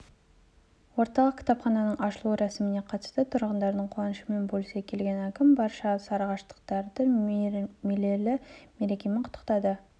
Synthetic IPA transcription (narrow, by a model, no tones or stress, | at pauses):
wo̞ɾt̪ɑlˠəqkʲʰɪ̥t̪ɑpχɑnɑnəɴɑʃəlˠuɾæsɪmɪne̞qʰɑt̪ə̥st̪ət̪ʰʊɾʁənd̪ɑɾd̪əɴqʰwɑnəʃəme̞nbolˠsekʲʰe̞lɡʲe̞nækʲɪmbɑɾʃɑsɑɾɑʁɑʃt̪ə̥q̚t̪ɑɾd̪ə | me̞le̞lɪme̞ɾe̞kʲe̞mɪqʰʊ̥t̪ːə̥qt̪ɑd̪ə